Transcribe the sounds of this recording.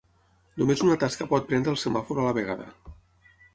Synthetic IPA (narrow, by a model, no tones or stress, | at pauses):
numezunat̪askəpɔt̪̚pɾɛnd̪ɾəlˠsəmafuɾalaβeɣaðə̰